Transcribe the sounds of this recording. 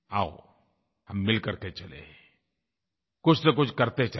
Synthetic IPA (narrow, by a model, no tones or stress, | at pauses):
ao̰ | hɐmːɪlkəɾket͡ʃɐlḛ | kʊt͡ʃʰnɐk̬ʊt͡ʃʰkɐɾt̪et͡ʃɐ